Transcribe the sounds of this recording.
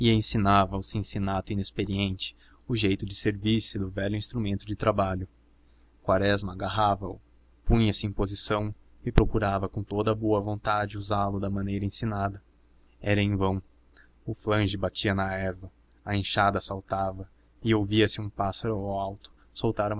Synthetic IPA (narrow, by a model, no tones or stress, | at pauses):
ɪẽsinavɐwsẽsinat̪ʊĩnespeɾiẽnt͡ʃɪ̥ | ʊʒejt̪ʊd͡ʒɪseɾviɾsɪd̪ʊvɛʎʊĩst̪ɾumẽnt̪ʊd͡ʒɪt̪ɾabaʎʊ | kwaɾɛzmɐːɡaɦavɐʊ̰ | pũɲɐsɪẽpozisɐ̃w̃ | ɪpɾokuɾavɐkõt̪od̪ɐboɐvõnt̪ad͡ʒɪd͡ʒɪuzalʊd̪ɐmɐ̃nejɾɐẽsinad̪ɐ | ɛɾɐẽj̃vɐ̃w̃ | ʊflɐ̃ʒɪbat͡ʃiɐnɐɛɾvɐ | ɐẽʃad̪ɐsawt̪avɐ | ɪowviɐsɪũpasɐɾʊawawt̪ʊ̥ | sowt̪aɾũm